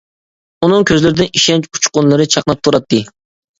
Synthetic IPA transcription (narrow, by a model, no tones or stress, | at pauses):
unɨŋkʲʰøzlɪɾɪd̪ɪniʃɛnt͡ʃu̥t͡ʃqʊnlˠɨɾɨt͡ʃʰɑqnˠɑp̚t̪ʰuɾɑt̪ʰːɨ